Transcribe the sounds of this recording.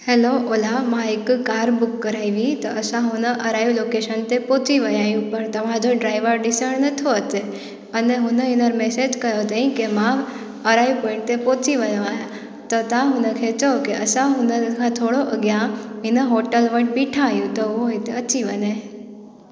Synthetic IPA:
heloʔoːlamãɪkkaːɾbʊkːɐɾaːiʋiit̪ɐɐsãɦʊnəʔɐɾaːjuloːkeʃənt̪epoːt͡ɕiʋɐjaːɦijũpɐɾt̪ɐʋ̤ãd͡ʑoɖɾaːɪʋəɾɗɪsəɽnɐt̪ʰoɐt̪e | ɐneɦʊnəɦɪnəɾmesed͡ʑkɐjot̪aĩkemã | ɐɾaːiʋpõːɪ̃ɳʈ̚t̪epoːt͡ɕiʋɐjoaːjã | t̪ɐt̪ãɦʊnəkʰet͡ɕɐokeʔɐsãɦʊnəkʰãt̪ʰoːɽoʔɐɠjãɪnəɦoːʈəlʋə̃ɳʈ̚biʈʰãɦjũt̪ɔʊɦoɦɪt̪eɐt͡ɕiʋɐne

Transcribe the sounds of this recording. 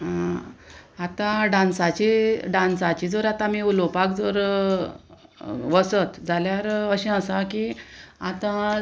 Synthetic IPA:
at̪ãɖãnsat͡ɕiɖãnsat͡ɕid͡zəɾat̪ãmiulopakd͡zəɾ | ʋəsət̪d͡zʱaljaɾəɕĩəsakiat̪ã

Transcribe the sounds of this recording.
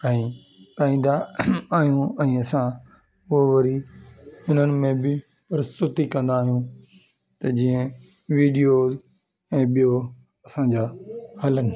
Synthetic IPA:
ɛ̃ĩ | ʈaːĩːn̆d̪aaːɦijũɛ̃ːɐsã | ʊɦoʋɐɾi | ʊn̤ənɪ̆mẽbɪ | pɐɾɪst̪ʊt̪ikɐ̃nd̪aːɦijũ | t̪ɐd͡ʑiːə̃ | ʋiːɖijoːz | ɛ̃ːɓijo | ɐsãd͡ʑaːhɐlənɪ̆

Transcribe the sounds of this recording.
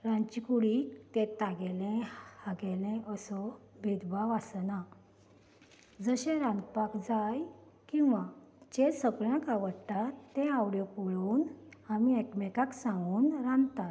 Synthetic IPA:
ɾãnt͡ɕikuɽit̪ẽt̪aɡɛlẽhaɡɛlẽʔəsɔbʱed̪baʋasna | d͡zəɕẽɾãnd̪pakd͡zaj | kĩw̃ʋad͡ʑesəɡɭjãkaʋəɽt̪aɛ̃awɽjɔpuɭuːnamiekmɛkaksãŋɡuːnɾãnt̪at̪

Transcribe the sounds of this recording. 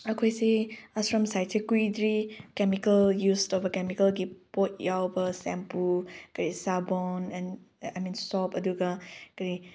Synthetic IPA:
əkʰojsiasfɹɔ̃msajdsʰikuidɹikɛmikəljustɔvəkɛmikəlɡipot̚jawbəsɛ̰̃mpukəɹisabɔnɛ̃n | ajmĩnsɔpəduɡakəɹi

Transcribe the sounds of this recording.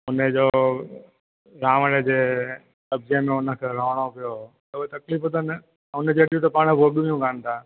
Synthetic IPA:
ʊned͡ʑoː | ɾaːʋəɽed͡ʑeː | lɐbzemẽʊnəkʰeːɾoːʋɽ̃opɪjo | t̪uet̪ɐkliːfʊt̪ən | ʊnd͡ʑeːɗijut̪ɐpaːɽ̃əbʱoɠũijũːkaːnt̪ʰaː

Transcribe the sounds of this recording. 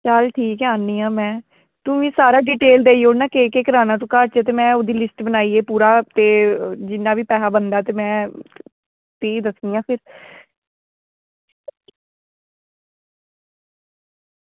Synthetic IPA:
t͡ʃəlʈʰiːkɛaːnːiːãːmɛ̃ː | t̪ʊʋĩːsaːɾaːɖiːʈeːld̪eːioːɽnãːkeːkeːkəɾaːnãːt̪ũːkəɾt͡ʃeːt̪̬eːmɛ̃ːoːd̪iːlɪsʈbənaːiːeːpuːɾaːt̪eːd͡ʒɪnːaːʋiːpɛːɦaːbənd̪aːt̪eːmɛ̃ː | t̪iːd̪əsd̪iːãːpʰɪɾ

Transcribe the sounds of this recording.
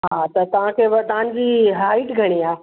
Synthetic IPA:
ɦãt̪ɐt̪ɐʋ̤ãkʰeʋɐɾd̪aːnd͡ʑiːɦaːɪʈɡʱɐɽ̃iaː

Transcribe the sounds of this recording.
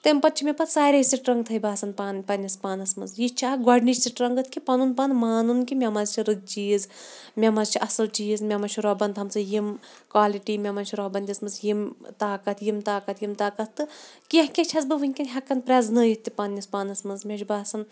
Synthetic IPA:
t̪empɐt̪̚t͡ʃʰimʲepɐt̪saːɾʲɐisiʈɾɐŋɡt̪ʰɐibaːsɐnpanpɐnʲːɐspaːnɐsmɐzjit͡ʃʰaːɡɐɖnit͡ʃsiʈɾɐŋɡɨt̪ʰkʰipɐnunpɐnmaːnunkimʲemɐzt͡ʃʰiɾɨɡ̚t͡ʃiːzmʲemɐzt͡ʃʰiʔɐsɨlt͡ʃiːzmʲemɐnt͡ʃʰiɾɔɦbɐnt̪ʰɐmsɨjim | kwaːliʈimʲemɐnt͡ʃʰiɾɔɦbɐnd̪ʲɐsmɨzjimt̪aːkɐt̪ʰjimt̪aːkɐt̪ʰjimt̪aːkɐt̪ʰt̪ɨkiɦkʲet͡ʃʰɐzbɨʋɨŋʲkʲinɦʲɐkːɐnpɾʲeːznɨjit̪ʲːipɐnʲːɐspaːnɐsmɨzmʲeʃʲbaːsɐn

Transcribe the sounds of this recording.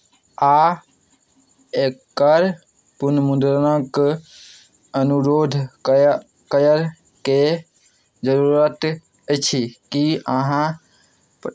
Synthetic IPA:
a | ekkəɾ | punəmund̪ɾənək | ənuɾod̪ʱ | kəjəɾ | ke | d͡ʒəɾuɾət̪ | ət͡ʃʰikiəɦã | p

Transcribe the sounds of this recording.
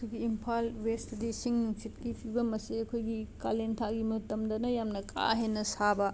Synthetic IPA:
kʰuɡiːmpʰalwestdisiŋnuŋsitkipʰibɐmɐsiɐkʰojɡikalentʰaɡimɐtɐmdɐnɐjamnɐkʰa̰ɦenːɐsabɐ

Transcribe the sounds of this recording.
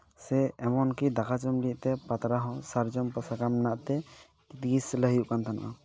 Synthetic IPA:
sɛɛmɔnkid̪akʰad͡ʒɔmliʔ̚t̪ɛpat̪ɾaɦɔ̃saɾd͡ʒɔmpasakamnaʔt̪ɛ | it̪iɡisləɦijuʔkant̪ʰana̰ʔa̰

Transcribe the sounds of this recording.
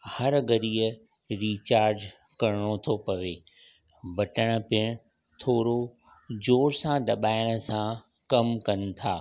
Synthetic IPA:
hɐɾɡɐɾiːə | ɾiːt͡ɕaːɾd͡ʑ | kɐɾɪɽ̃ot̪ʰopɐʋeː | bɐʈəɽ̃ə̆pɪɽ̃ | t̪ʰoːɾo | d͡ʑoːɾsãd̪ɐɓaːɪɽ̃ə̆sã | kɐmkɐnɪ̆t̪ʰaː

